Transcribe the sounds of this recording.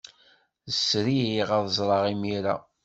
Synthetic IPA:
ðəsɾiiʁɑðzˤɾˤɑʁimiɾa̰

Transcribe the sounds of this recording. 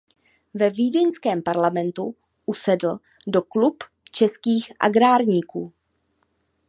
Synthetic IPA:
vɛviːdɛɲskɛːmpaɾlamɛnt̪u | ʔusɛdl̩ | doklup | t͡ʃɛskiːxʔa̰ɡɾaːɾɲiːkuː

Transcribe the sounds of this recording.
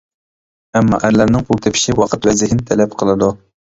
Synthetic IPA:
ɛmːɑ̰ʔæɾlæɾnɪŋpʰulˠt̪ʰepʰɪ̥ʃiwɑqʰət̪wɛzɪhinɪt̪ʰɛlɛpqʰəlˠɨd̪u

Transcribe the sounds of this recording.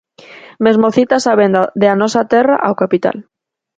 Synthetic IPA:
mezmoθit̪asaβend̪ad̪eanɔsat̪era̰ʔawkapit̪a̰l

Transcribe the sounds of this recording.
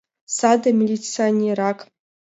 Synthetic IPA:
sad̪ɐmʲilʲit͡sɨanʲeɾakʰʼ

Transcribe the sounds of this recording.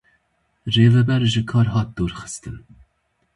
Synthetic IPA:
reːvɛbɛɾʒɨkʰɑːɾɦɑːt̪̚d̪uːɾxɨ̥st̪ɨn

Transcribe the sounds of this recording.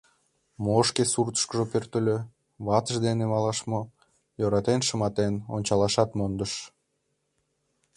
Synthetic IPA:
moʃkesurt̪ə̥ʃkəʒopørt̪əlʲø | βɑt̪əʒd̪enemɑlˠɑʃmo | joɾɑt̪enʃəmɑt̪enonʲt͡ɕɑlˠɑʃɑt̪mond̪əʃ

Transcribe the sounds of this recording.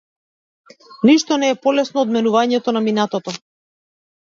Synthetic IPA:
niʃt̪ɔnɛːpɔlɛsnɔːd̪mɛnuvaɲɛt̪ɔnaminat̪ɔt̪ɔ

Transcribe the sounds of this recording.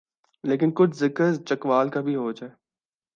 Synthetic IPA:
leːk̬ɪnkʊt͡ʃʰzɪkəɾt͡ʃəkʋaːlkabʱiɦoːd͡ʒaːeː

